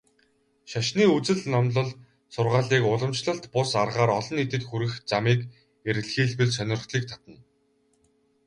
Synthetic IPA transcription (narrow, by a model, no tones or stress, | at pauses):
ʃaʃniːut͡sɘ̆ɮnɔmɮə̆ɮ | sʊrʁaːɮiːkʊɮə̆mt͡ɕɮə̆ɬt̪pʊsarʁaːɾɔɮɞ̆nit̪ɘ̆t̪xuɾɘ̆xt͡samiːk | eɾɘ̆ɮxiːɮpɘ̆ɮsœnʲɪ̆r̆χɮiːk̚t̪ʰḁt̪ə̆n